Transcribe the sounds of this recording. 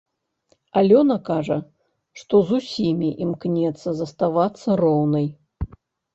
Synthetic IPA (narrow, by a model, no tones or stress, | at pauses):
alʲɔnɐkaʐɐ | ʂt̪ɔzusʲimʲiʔimknʲɛt̪sːɐzɐst̪avat̪sːɐɾɔwnɐj